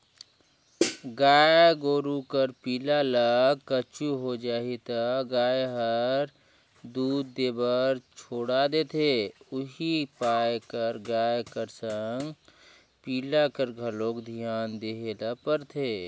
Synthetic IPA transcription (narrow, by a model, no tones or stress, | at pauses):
ɡaːjɡoːɾukəɾpiːlalakət͡ʃuɦod͡ʒaːit̪aɡaːjɦəɾ | d̪uːd̪ːeːbəɾt͡ʃʰoːɽad̪et̪ʰeʊɦipaːjkəɾɡaːjkəɾsəŋɡ | piːlakəɾɡʱəlokd̪ʱijaːnd̪eɦelapəɾt̪ʰeː